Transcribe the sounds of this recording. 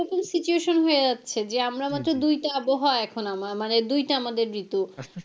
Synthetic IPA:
ɾɔkomsit͡ɕueʃonɦoed͡ʑatːɕʰed͡ʑeamɾamat̪ːɾod̪ujʈaaboɦɔeɛkʰonamamaned̪ujʈaamad̪eɾbit̪u

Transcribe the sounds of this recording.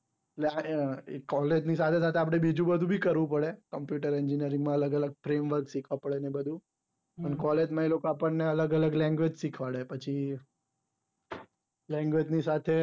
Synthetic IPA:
ʈleaekɔled͡ʒnisat̪ʰesat̪ʰeapɽ̃ebid͡ʒũbəd̪ʱũbʱikəɾʋũp̬əɽekəmpjuʈəɾɛɲd͡ʒinijəɾĩŋɡmãələɡələɡ̚fɾemʋəɾksikʰʋapəɭenebəd̪ʱũ | ənkɔled͡ʒmãelokoapəɳːeələɡələɡlɛ̃ŋɡʋed͡ʒsikʰʋaɭepət͡ʃʰi | lɛ̃ŋɡʋed͡ʒnisat̪ʰe

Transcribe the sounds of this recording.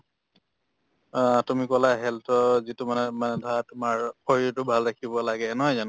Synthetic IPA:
tumikɔlaɦɛltɔzitumanɛmanɛdʱatʊmaɹpʰɔɹitʊbʱalɹakʰibɔlaɡɛnɔɦɔjzan

